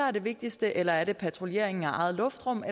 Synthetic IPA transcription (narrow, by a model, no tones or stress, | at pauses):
æɐd̥e̝ʋe̝ɡ̥̚d̥isd̥əʔelɐæɐɾ̥e̝pʰæt͡sʰʁo̝lje̝ɐ̰e̝ŋn̩æʔɑ̈ɪð̩ˠlɔ̽fd̥ʁɔ̽m̰e